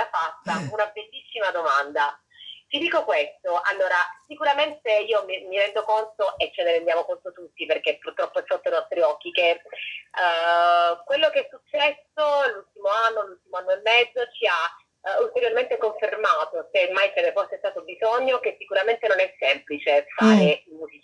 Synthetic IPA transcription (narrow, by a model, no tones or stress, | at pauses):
afast̪ːaunabelːisːimad̪omand̪a | t̪id̪iːkokwest̪oʔalːoːɾasikuɾament̪eiːomimiɾɛnd̪okont̪oʔet͡ʃːeneɾend̪jaːmokont̪ot̪ut̪ːiperkepːurt̪ɾɔpːoɛfːot̪ːoinɔst̪ɾiɔk̟ːik̟e | kwelːokeɛsːut͡ʃːɛsolult̪imoanːolult̪imoanːoemːɛd̪zːot͡ʃia | ult̪eɾjorment̪ekoɱfermaːt̪osemajkenefosest̪aːt̪obizoɲːokesːikuɾament̪enonɛsːɛmplit͡ʃefaːɾeimuːzit͡ʃi